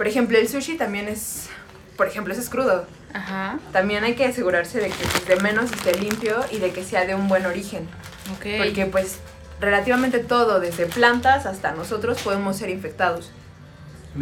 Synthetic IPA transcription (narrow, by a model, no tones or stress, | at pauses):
po̞ɾexe̞mplo̞elsuʃit̪ambje̞ne̞s | po̞ɾe̞xe̞mploes̬eskɾuðo̞ | axat̪ambje̞najke̞ase̞ɣuɾaɾse̞ðe̞keɾemẽ̞no̞s̬est̪e̞limpjo̞iðe̞ke̞seaðe̞umbwe̞no̞ɾixe̞n | okepoɾke̞pwe̞s | re̞lat̪iβ̞ament̪e̞t̪o̞ðo̞ðe̞zðe̞plant̪asast̪ano̞so̞t̪ɾo̞spo̞ð̞e̞mo̞sːe̞ɾiɱfe̞k̚t̪að̞o̞s